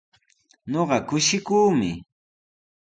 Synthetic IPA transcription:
ɲoɢɑkʊʃɪkuːmɪ̰

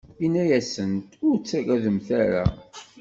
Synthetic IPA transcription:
inːæjæsənt̪ʊɾt͡sːæɡæðəmθæɾa̰

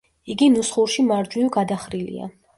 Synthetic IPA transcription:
iɡinusχuɾʃimaɾd͡ʒwivɡad̪aχɾilḭa̰

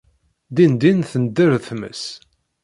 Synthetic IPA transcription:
d̪ind̪inθənd̪əɾθmə̰s

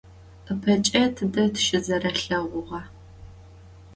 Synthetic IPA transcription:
əpʰɐt͡ʃʼɐtʰɨdɐtʰʃɪzɐrɐɬɐʁʷʊʁɐ

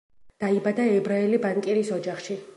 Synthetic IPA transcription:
d̪̥aibad̪aɛbɾaɛlibaŋkʼɛɾisɔd͡ʒaχʃi

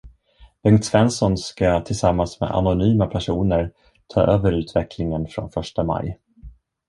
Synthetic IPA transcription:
bɛŋt̪svɛnsɔnskat̪ʰɪlsamːansmḛd̪a̰nʊnyːmapʰæʂuːnəɾ | t̪ʰɑ̰ːʔøːvəɾʉ̟ːt̪ʰvɛkʰlɪŋənfɾɔ̰nfœʂʈama̰j

